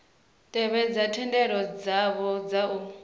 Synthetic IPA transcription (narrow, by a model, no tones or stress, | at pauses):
tʼɛβɛd͡zatʰɛndɛɺɔd͡zaβɔd͡zau